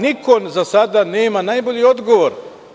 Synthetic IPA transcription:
nikʰonzasad̪aneːmanajboʎiod̪ɡoʋoɾ

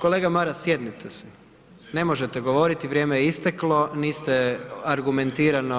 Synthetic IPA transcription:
ko̞le̞ːɡamaɾasjed̪nit̪ʰese̥ | ne̞mo̞ʒet̪eɡo̞ʋo̞ɾit̪iʋɾʲjeːmejeist̪eklˠo̞niːst̪eaɾɡume̞nt̪iːɾano

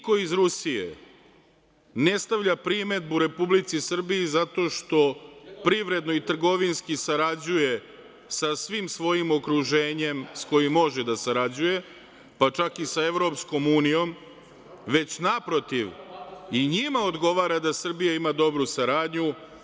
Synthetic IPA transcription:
ko̞izɾusijḛ | ne̞st̪aʋʎʲapɾime̞d̪̚buɾe̞publit̪sisr̩bijizat̪o̞ːʃt̪o̞pɾiʋɾe̞d̪no̞it̪r̩ɡo̞ʋinskisaɾad͡ʑuje̞ | sasʋimsʋo̞jimo̞kɾuʒe̞ːɲe̞msko̞jimːo̞ʒed̪asaɾad͡ʑuje̞ | pat͡ʃakisae̞ʋɾo̞psko̞muːnijo̞m | ʋe̞t͡ɕnapɾo̞t̪iʋiɲimao̞d̪ɡo̞ʋaːɾad̪asr̩bijaimad̪o̞bɾusaɾaːd̪ɲu

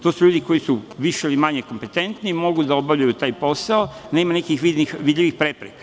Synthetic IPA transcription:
t̪o̞ːsuʎuːd̪iko̞jisuʋiʃeilimaɲeko̞mpe̞t̪e̞nt̪nimo̞ɡud̪ao̞bavʎujut̪aːjpo̞saone̞ːmanekixʋid̪nixʋid̪ʎʲiʋixpɾe̞pɾekḁ

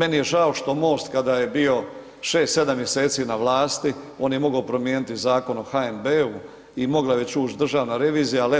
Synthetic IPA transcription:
me̞nije̞ʒaoʃt̪o̞mo̞ːst̪kad̪aje̞bio̞ | ʃe̞ːst̪se̞d̪amːje̞se̞ːt̪sinaʋlˠaːst̪io̞ːnjemo̞ɡaopɾo̞mjeːnit̪izaːko̞no̞xaembeu | imo̞ɡlaʋet͡ɕuːt͡ʃd̪ɾr̩ʒaːʋnaɾe̞ʋiːzijale

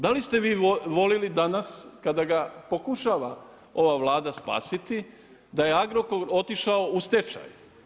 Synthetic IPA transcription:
d̪alist̪eʋiːʋo̞lilid̪anaskad̪aɡapo̞kuʃaːʋa̰ | o̞ʋaʋlˠaːd̪aspa̰ːsit̪i | d̪ajeaɡɾokoɾo̞t̪iʃaoust̪et͡ʃa̰j

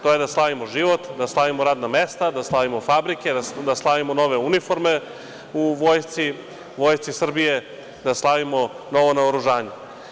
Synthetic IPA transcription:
t̪oje̞d̪aslˠaʋimoʒiʋo̞t̪d̪aslˠaʋimoɾaːd̪namest̪ad̪aslˠaʋimo̞fabɾike̞d̪ad̪aslˠaʋimono̞ʋe̞unifo̞ɾme | uʋo̞ːjst̪si | ʋo̞ːjst̪sisr̩bije̞ | d̪aslˠaʋimo̞ | no̞ʋo̞naoɾuʒaːɲe

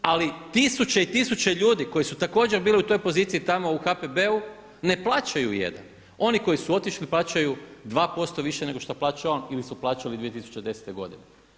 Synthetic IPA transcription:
alit̪isut͡ɕeit̪isut͡ɕeʎuːd̪iko̞jisut̪ako̞ːd͡ʒe̞ɾbiːliut̪o̞jpo̞ziːt̪siit̪amo̞uxapebe̞u | ne̞plˠaːt͡ʃajujḛd̪a̰n | o̞niko̞jisuo̞t̪iʃliplˠaːt͡ʃajud̪ʋaːpo̞st̪o̞ʋiʃeneɡo̞ʃt̪aplˠaːt͡ʃaonilisuplˠaːt͡ʃalid̪ʋije̞t̪isu̥t͡ʃed̪e̞se̥t̪eɡo̞̰d̪ḭne

